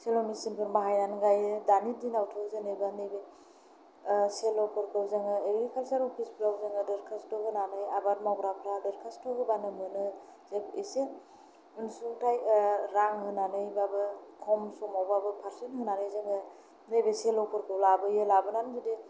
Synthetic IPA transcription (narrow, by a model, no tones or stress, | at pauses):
selɔmisinpʰɯɾmaɦajnanɡajdanidinawtʰɯzenɯjbanejbe | selɔkʰɯɾkʰɯwzeŋɯeɾɡikʰalsaɾɔpʰisplawzeŋɯdɯɾkʰastɔɦɯnanɯjabat̚maɡɾapʰɾadɯɾkʰastɔɦɯbanɯmɯnɯ | zebise | ɯnsuŋtʰajɾaŋhɯnanɯjbabɯkʰɔmsɔmawbabɯpʰaɾsinɦɯnaɾɯjzeŋɯ | nejbeselɔkɯɾkʰɯwlabɯjɯlabɯnanzidi